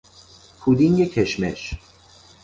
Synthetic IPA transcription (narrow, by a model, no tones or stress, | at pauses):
pʰud̪iŋɡecʰeʃmḛʃ